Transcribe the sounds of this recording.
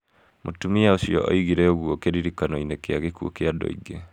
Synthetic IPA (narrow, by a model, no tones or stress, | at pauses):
mʔotumiaosiɔ̰ɔ̰iɣiɾɛoɣwokeɾiɾikanɔinekeaɣekuo̰keadɔ̰ḭɡe